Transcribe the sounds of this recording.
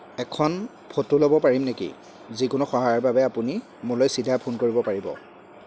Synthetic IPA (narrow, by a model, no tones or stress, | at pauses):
ɛkʰɔn | pʰotulobɔpaɹimnekḭ | zikʊnuxɔɦajɔɹbabɛapuni | mulɔjsidʱapʰunkoɹibɔpaɹibɔ̰